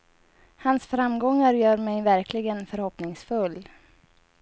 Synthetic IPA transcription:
hansfɾamɡɔŋːaɾjœːɾmɛjvæɾkʰlɪɡənfœɾhɔpnɪŋsfɵlː

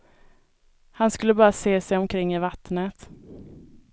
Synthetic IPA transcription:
hanskɵlːəbɑːɾaseːsɛjɔmkʰɾɪŋːɪvat̪nət̪

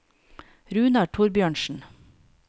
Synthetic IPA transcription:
ɾʉːnɑɖ̚tʰʊɾbjøːɳʃn̩

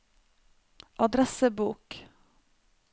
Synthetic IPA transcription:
ʔɑd̪ɾɛsəbuːk

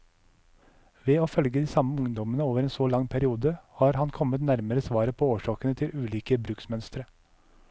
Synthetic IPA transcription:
ʋeːoːfœlɡəd̪iːsɑməʊŋd̪ɔmənəoːʋəɾeːnsoːlɑŋpʰæɾɪuːd̪əhɑːɾhɑnkʰɔmət̪næɾməɾəsʋɑːɾəpʰoːoːʂɑːkənət̪ʰɪlʔʉːliːkəbɾʉːksmœnst̪əɾə

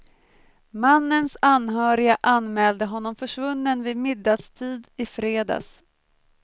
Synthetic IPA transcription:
manːənsanɦœːɾɪaʔanːmɛːld̪əɦɔnːɔmfœʂvɵnːənvɪmɪd̪ːad̪st̪ʰiːd̪ɪfɾeːd̪a̰ːs

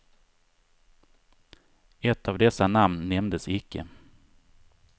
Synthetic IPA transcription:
ɛt̪ʰːavd̪ɛsanamnːɛmd̪əsɪkʰːə̰

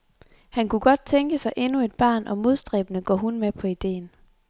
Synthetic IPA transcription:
hænkʰuɡ̥ɒ̽d̥̚t͡sʰeŋɡ̥əsɑ̈ɪʔe̝nue̝d̥̚b̥ɑ̰̈ːnʔɒ̽mo̝ð̞ˠsd̥ʁɛ̰ːb̥ənəɡ̥ɒ̰ːɦunmepʰɒ̽id̥e̝̰ːn

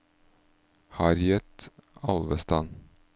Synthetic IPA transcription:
hɑɾjɛt̪ɑlʋəst̪ɑn

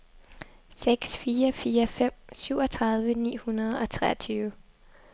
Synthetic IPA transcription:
seɡ̥sfiːɐfiːɐfem̰syʊ̰ɒ̽t͡sʰʁɑ̈ð̞ˠʋənḭːhunɐð̞ˠɒ̽t͡sʰʁɛ̰ɐt͡sʰyːʊə

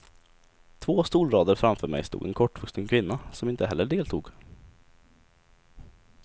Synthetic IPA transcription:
t̪ʰvoːst̪uːlɾɑːd̪əɾfɾamfœːɾmɛ̰jst̪ṵːɡ̪ɛ̰nkʰɔʈːvɵkst̪ənkʰvɪnːasɔmɪnt̪əɦɛlːəɖeːlt̪ʰṵːɡ

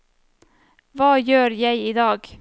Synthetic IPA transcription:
vɑːjøːɾjɛɪiːd̪ɑːɡ

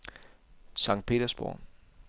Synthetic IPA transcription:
sɑ̈ŋ̰̥̚pʰe̝̰ːd̥ɐsb̥ɔ̰ː

